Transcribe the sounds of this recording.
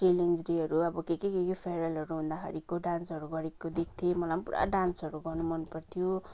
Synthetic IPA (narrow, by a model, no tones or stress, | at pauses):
sʈiliŋd͡zɾiɦʌɾuʌbʌkekikekipʰeɾʌlʌɾuɦũnd̪akʰa̰ɾikoɖansɦʌɾuɡʌɾikːod̪ek̚ʰt̪ʰiemʌlampṵɾʔa̰ɖansʌɾuɡʌrnumʌnupʌrt̪ʰijo